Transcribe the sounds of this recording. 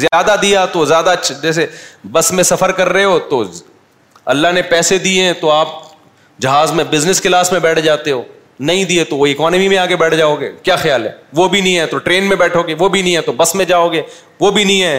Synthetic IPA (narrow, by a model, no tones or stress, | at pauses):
zjaːd̪ad̪ijat̪ozjaːd̪at͡ʃʰd͡ʒɛːs̬ebɐsmẽsɐfəɾkɐɾːɐeɦoːt̪o | ɐ̰lːaɦnepɛːsed̪ieɦɛ̃t̪oaːp̚ | d͡ʒɐɦaːzmẽbɪznɪskɪlaːsmẽbɛːʈʰd͡ʒaːt̪eɦoː | nɐɦĩd̪iet̪oʋoɪkɔːnəmimẽaːɡebɛːʈʰd͡ʒaːoːɡeːkjaːxjaːlɦɛ̰ːʋobʱinəĩɦɛt̪oʈɾeːnmẽbɛːʈʰoːɡeʋobʱinɐɦĩɦɛ̃t̪obɐsmẽd͡ʒaːoːɡeː | ʋobʱinɐĩɦɛː